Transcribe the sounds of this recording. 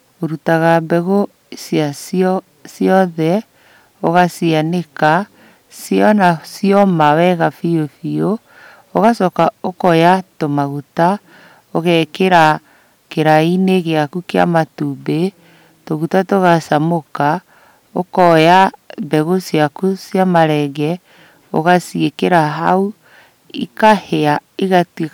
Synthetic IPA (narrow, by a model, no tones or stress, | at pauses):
oɾutaɣabɛɣo | sjas | sjɔðɛ | oɣasianeka | sjɔnasiɔmawɛɣafiofio | oɣasɔkaokɔjatomaɣuta | oɣɛkeɾa | keɾaineɣeakukea̰matube | toɣutatoɣasamoka | okɔjabɛɣosjakusjamaɾɛɡɛ | o̰ɣasiekeɾaɦau | ḭkaheaeɣat